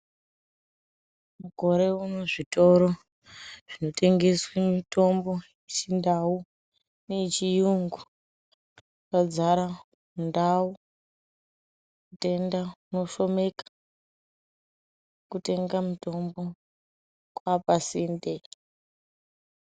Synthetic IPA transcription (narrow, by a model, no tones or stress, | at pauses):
muɡʱo̞ɾe̞uno̞ʐito̞ɾo̞ | ʐ̥ino̞tʰe̞ŋɡeswemito̞mbo̞ | t͡ʃindawu | ne̞t͡ʃijuŋɡu | pad͡zaɾa | mundawu | kute̞ndauno̞ʃo̞me̞kḁ | kute̞ŋɡamuto̞mbo̞ | kwapasinde